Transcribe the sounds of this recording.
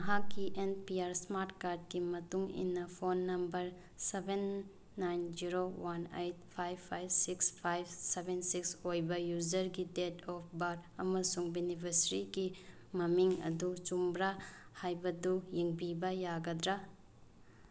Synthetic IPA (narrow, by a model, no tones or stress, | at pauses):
mɐɦakːiʔenpiaɾsmaɾtkaɾd̚kimɐtuŋḭnːɐpʰonːɐmbɐɾ | sebenː | ajnd͡ʒiɾowanejt̚pʰajbpʰajbsikspʰajbsebensiksojbɐjud͡ʒɐɾɡidetʰɔp̚ʰbaɾɐmɐsuŋbinipʰɐsɾiɡi | mɐmiŋɐ̰dut͡ʃumbɾahajbɐdujiŋbibɐjaɡɐdɾa